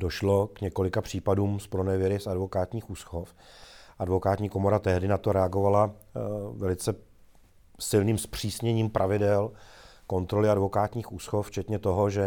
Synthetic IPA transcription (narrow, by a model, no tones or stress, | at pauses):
do̞ʃlo̞kɲɛko̞lɪkapr̝̥iːpaduːmspɾonɛvjɛɾɪsadvo̞kaːt̪ɲiːxuːsxo̞f | ʔadvo̞kaːt̪ɲiːko̞mo̞ɾat̪ɛɦdɪnat̪o̞ɾɛaɡo̞vala | vɛlɪt͡sɛ | sɪlniːmspr̝̥iːsɲɛɲiːmpɾʔavɪdɛlko̞nt̪ɾo̞lɪadvo̞kaːt̪ɲiːxuːsxoft͡ʃɛt̪ɲɛt̪o̞ɦo̞ʒɛ